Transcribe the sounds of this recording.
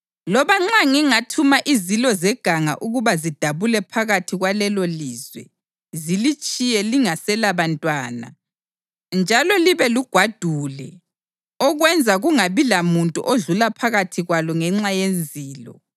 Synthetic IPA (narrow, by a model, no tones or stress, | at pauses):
lɔβaŋ͡ǁaŋiŋatʰumaʔizilɔzɛɡ̥ʱaŋa̰ʔuɣuβazid̥ʱaβulɛpʰaɣatʰiɣwalɛloliːzwɛ̰ | zilit͡ʃʼijɛliŋasɛlaβantʼwaːna̰ | nd͡ʒʱalɔliβɛluɡ̥ʱwad̥ʱuːlɛ | ɔɣwɛnd͡zʱaɣuŋaβilamuntʼṵʔoɮulapʰaɣatʰiɣwalɔŋɛŋ͡ǁajend͡zʱiːlɔ̰